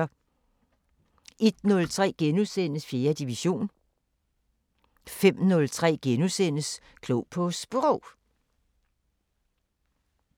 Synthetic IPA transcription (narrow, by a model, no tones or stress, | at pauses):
ɐ | ʔe̝d̥nɔ̽lt͡sʰʁɛ̰ːɡ̥enusen̰əsfje̝ːɐd̥iʋiɕo̝̰ːn | fem̰nɔ̽lt͡sʰʁɛ̰ːɡ̥enusenəs | kʰlopʰɔ̽sb̥ʁɔʊ